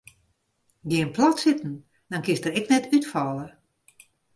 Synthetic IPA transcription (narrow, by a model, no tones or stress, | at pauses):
ɡiənplatsɪtn̩ | dɔnkɪsdərɛknɛtʰytfɔlˠə